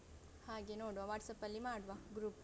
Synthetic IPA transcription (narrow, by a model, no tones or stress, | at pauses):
haːɡenoːɽʋaʋaːʈsɐpɐlːimaːɽʋɐɡɾuːp